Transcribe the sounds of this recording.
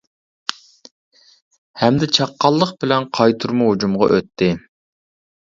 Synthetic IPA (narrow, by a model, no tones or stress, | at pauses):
hɛmd̪ɪt͡ʃʰɑqːɑlˠːəqbɪlɛnqʰɑjt̪ʰuɾmɑɦod͡ʒumʁɑ̰ʔøt̪ʰːɪ